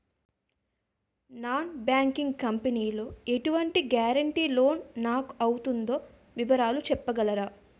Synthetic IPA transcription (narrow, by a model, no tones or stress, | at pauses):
naːnbjaːŋkiŋɡkɐmpeniːloːe̞ʈuʋɐɳʈiɡjaːɾɐɳʈiːlo̞ːnːaːku̥ɐwut̪und̪o̞ː | ʋiʋɐɾaːlut͡ʃɛpːɐɡɐlɐɾaː